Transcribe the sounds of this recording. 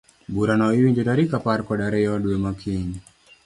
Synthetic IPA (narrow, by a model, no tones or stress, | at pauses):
buɾanaiwiɲd͡ʒodaɾikaparkɔɗaɾɛjɔduemakʰiɲ